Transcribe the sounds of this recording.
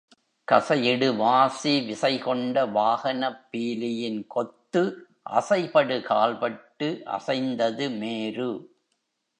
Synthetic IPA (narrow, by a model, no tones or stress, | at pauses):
kɐsɐjɪɽɯʋaːsiʋɪsɐɪkɔɳɖɐʋaːhɐnɐpːiːlɪjɪnkɔt̪ːɯ | ʔɐ̰sɐɪpɐɽɯkaːlpɐʈːɯʔɐ̰sɐɪnd̪ɐðɯmeːɾɯ